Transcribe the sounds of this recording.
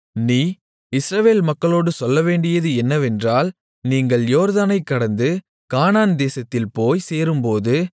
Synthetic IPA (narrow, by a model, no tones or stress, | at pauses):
niː | ɪsɾɐʋeːlmɐkːɐɭoːɽɯsɔlːɐʋeːɳɖɪjɐðɯɛnːɐʋɛndraːl | niːŋɡɐɭjoːɾðaːnɐɪkːɐɽɐnd̪ɯ | kaːnaːnd̪eːsɐt̪ːɪlpoːjseːɾɯmpoːðɯ